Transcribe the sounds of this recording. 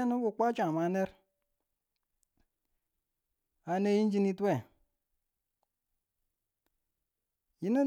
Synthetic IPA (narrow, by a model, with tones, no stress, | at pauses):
nu˦bu˨k͡pa˦t͡ʃa˨ma˨ne˦ɾ | a˨ne˦ji˦n˦d͡ʒi˦ni˦te˦˨ | ji˨˦ne˦